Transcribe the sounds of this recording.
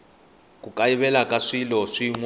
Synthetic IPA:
kukʼaiβɛlakʼaʂilɔʂiŋw

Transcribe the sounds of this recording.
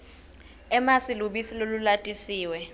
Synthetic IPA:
ɛmasiluɓisilolulatʼisiːwɛ

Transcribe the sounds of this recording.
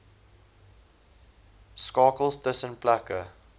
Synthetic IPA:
skɑːkəlˠstəsənplækə

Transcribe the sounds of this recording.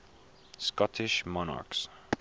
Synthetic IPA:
skɔt̪ʰɪʃmɔna̰ɹks

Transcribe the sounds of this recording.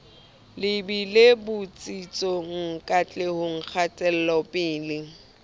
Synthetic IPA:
lɪbilebʊt͡sʼit͡sʼɔŋ̩kʼat͡ɬʼehʊŋ̩k͡xʰat͡sʼɛl̩lɔpʼɪːlɪ

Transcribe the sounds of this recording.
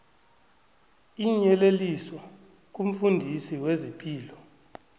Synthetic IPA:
iɲɛleliswa | k̬ʼum̩fundʱisiwezipʼiːlɔ

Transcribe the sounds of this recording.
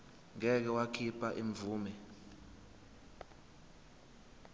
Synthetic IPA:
ŋɛk̬ɛwakʰipʰʼaʔeɱvuːmɛ

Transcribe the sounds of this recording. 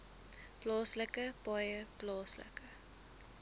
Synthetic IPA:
plɑːsləkəb̥ɑjəplɑːslə̰kə

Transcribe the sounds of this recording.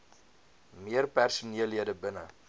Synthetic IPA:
miərpærsuniəlɦiədəbənə

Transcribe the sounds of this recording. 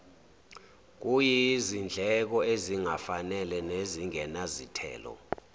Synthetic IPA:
k̬ujizind͡ɮʱɛk̬ɔeziŋafanɛlɛneziŋɛnazitʰɛ̰ːlɔ̰

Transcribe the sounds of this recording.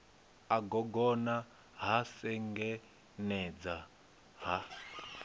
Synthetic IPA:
aɡɔɡɔna | ɦasɛŋɡɛ | nɛd͡za | ɦa

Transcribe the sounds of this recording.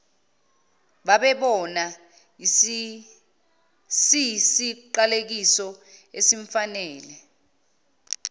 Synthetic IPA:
ɓaɓɛɓɔna | sisiǃalek̬isɔesiɱfanɛːlɛ

